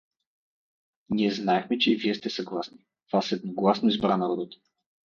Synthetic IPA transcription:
nʲiɛznaɛxmɛt͡ʃɛiviɛst̪ɛsɐɡlˠasni | vasɛd̪̚noɡlˠasnoizbɾanɐɾɔd̪ət̪

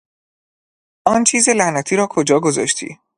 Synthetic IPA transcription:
ʔɒːnt͡ʃʰiːze̞læhnæt̪ʰiːɾɒːkʰo̞d͡ʒɒːɡo̞zɒ̰ːʃt̪ʰḭː

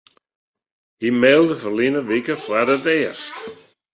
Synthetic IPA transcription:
himɛlˠd̪əfərlinəʋikəfwaɾət̪ɛːrst̪

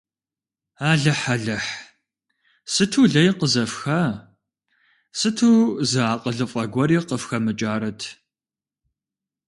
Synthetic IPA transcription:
aːɮɐħɐɮɐħ | sɨtʰuːɮɐjqəzɐfxɐ | sɨtʰuːzɨaːqʼəɮɨfʼɐɡʷɔɾiːqəfxɐmɨt͡ʃʼaːɾɐtʰ

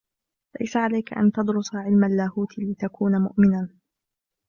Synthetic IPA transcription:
la̰jsaʕalajkaʔa̰nt̪ɑd̪ɾʊsˤaʕɪlmalːaːhuːt̪lɪt̪akuːnamʊ̰ʔmɪnan

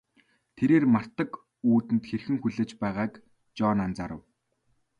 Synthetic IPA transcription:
t̪ʰeɾeːrmar̥t̪ə̆k | uːt̪ɘ̆nt̪xerxɘ̆ŋxuɮĕːt͡ɕpæːʁaːk | t͡ɕɔːnant͡saɾə̆w

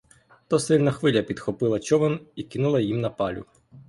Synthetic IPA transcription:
t̪ɔsɪlʲnɐxʋɪlʲɐpʲid̪xɔpɪlˠɐt͡ʃɔʋɔnikɪnulˠɐjimnɐpɑlʲʊ̰

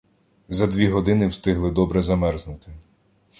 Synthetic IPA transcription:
zɐd̪ʋʲiɦɔd̪ɪnɪwst̪ɪɦlˠɪd̪ɔbɾɛzɐmɛrznʊt̪ɪ

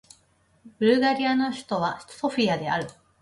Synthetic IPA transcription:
b̥ɯ̟ɾɯ̟ɡaɾʲijano̞çi̥t̪o̞β̞aɕt̪so̞ɸʲiad̪e̞aɾɯ̟

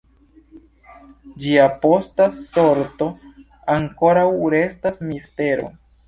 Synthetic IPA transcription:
d͡ʒiapo̞staso̞ɾto̞ | aŋko̞ɾawɾe̞stasmiste̞ɾo̞̰

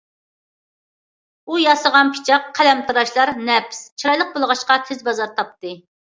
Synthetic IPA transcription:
ujɑsəʁɑnpʰi̥t͡ʃʰɑqʰːælɛmt̪ʰɨɾɑʃlˠɑɾnɛpst͡ʃʰiɾɑjlˠəq̚bolˠəʁɑʃqɑt̪ʰezbɑzɑɾt̪ʰɑp̚t̪ɨ

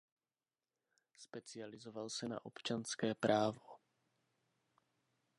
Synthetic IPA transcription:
spɛt͡sɪalɪzɔvalsɛna̰ʔɔpt͡ʃanskɛːpɾʔaːvo

